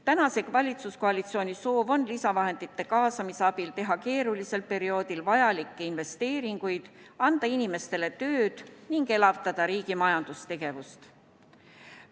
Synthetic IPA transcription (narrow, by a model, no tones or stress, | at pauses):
t̪ænɑse̞kvɑlʲit̪susko̞ɑlʲit̪sio̞ːnʲiso̞ːvo̞nlisɑvɑɦe̞nd̪̥it̪ːˑe̞kɑːsɑmiseɑb̥ilt̪e̞ɦɑke̞ːɾulise̞lpe̞ɾio̞ːd̪ilvɑjɑlikːeinve̞st̪e̞ːɾiŋɡ̥ujd̪̥ɑnd̪̥ɑinime̞st̪e̞le̞t̪ø̞ːd̪̥niŋɡe̞lɑvt̪ɑd̪̥ɑɾiːɡ̥imɑjɑnd̪̥ust̪e̞ɡ̥e̞vust̪